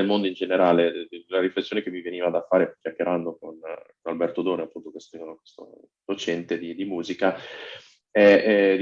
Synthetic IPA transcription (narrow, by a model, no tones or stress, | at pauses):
elmond̪oind͡ʒeneɾaːlelaɾiflesːjoːnekemːiveniːvad̪afaːɾekʲjakːeɾand̪okonkonalbɛrt̪od̪oːneapːunt̪okest̪imonokwe̥st̪o̰ | d̪̥ot͡ʃɛnt̪ed̪id̪imuːzika | ɛd̪